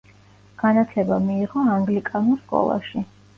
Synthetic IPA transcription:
ɡ̥anat̪ʰlɛbamiːʁɔaŋɡlikʼanulˠskʼɔ̰lˠa̰ʃi

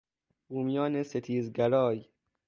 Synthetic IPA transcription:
b̥uːmijɒːneset̪ʰiːzɡæɾɒːj

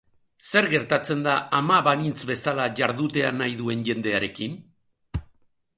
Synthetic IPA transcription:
se̞ɾɣe̞ɾt̪at͡se̞nd̪aamaβanint͡sβe̞salaʝaɾð̞ut̪e̞anajðue̞nʝe̞nd̪e̞aɾe̞kin

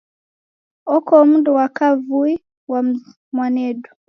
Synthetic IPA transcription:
ɔkɔm̩dɔwakavui | wa | mwanɛdu

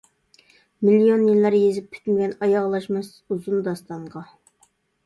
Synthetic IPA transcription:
milijonjilːæɾjezɪp̚kʰʲy̥t̪mɡʲɛnɑjɑʁlˠɑʃmɨsuzund̪ɑst̪ɑɴʁɑ

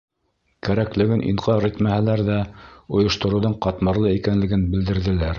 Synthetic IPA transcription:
kæɾæklɘ̆ɡɘnʔḭɴqɑɾit̪mæhælæɾðæŏjŏʃt̪ŏɾŭðɤɴqɑt̪mɑɾlˠɤikænlɘ̆ɡɘnbɘ̆ld̪ɘ̆ɾðɘ̆læɾ

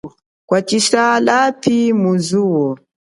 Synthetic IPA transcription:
kwat͡ʃiʃalapimuzuwɔ

